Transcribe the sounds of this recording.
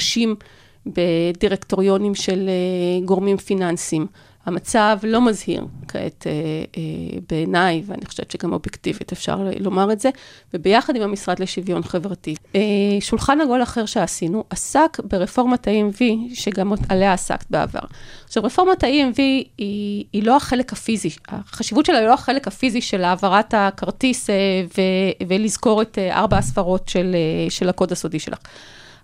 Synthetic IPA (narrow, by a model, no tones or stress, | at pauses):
ʃim | be̞diʁekto̞ʁijo̞nimʃe̞leɡo̞ʁmimfinansim | hamat͡savlo̞mazhḭʁkʰaḛte | beːnajvea̰niχoʃev̥t͡ʃeɡamo̞bjektivitefʃa̰ʁ̰lo̞maʁetze̞vebejaχadimhamisʁadleʃivjo̞nχevʁatieʃulχanhaɡo̞laχe̞ʁʃeasinuʔasakbeʁefo̞ʁmataiemviʃeɡamːet̪aleaːsa̰kbea̰va̰ʁʃavʁefo̞ʁmataiemviiːlo̞aχe̞lekafizia̰χaʃivutʃelailo̞haχe̞lekhafiziʃelaːvaʁatakaʁtisevevelizko̞ʁeteʔa̰ʁbaasfaʁo̞tʃeleʃelako̞dasodiʃelʔa̰χ